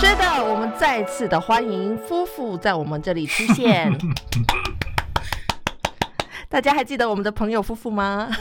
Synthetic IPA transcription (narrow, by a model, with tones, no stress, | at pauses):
ʈ͡ʂɛ˥d̪ə˨wɔ˨˩mə˧˦nt͡sa˥˧ɪt͡sʰɹ̩˥˩d̪ə˨xwa˥ni˧˥ŋfu˥fu˥˧t͡sa˥˩ɪwɔ˨˩mə˨˦nʈ͡ʂɤ˥˩li˨˩ʈ͡ʂʰu˥ɕjɛ˥˩n | t̪a˥˩t͡ɕja˥xa˧˥ɪt͡ɕi˥˩d̪ə˩wɔ˨˩mə˦nd̪ə˧pʰɤ˧˥ŋjo˨˩ʊfu˥fu˥˩ma˩